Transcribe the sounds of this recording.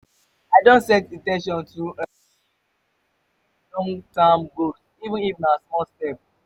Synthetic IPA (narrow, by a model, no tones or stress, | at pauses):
aɪdõntsɛ̃titɛ̃nʃ̬ɔ̃ntʰuə | lɔ̃ŋtãmɡod | ivə̃nifnasmɔlstɛp̚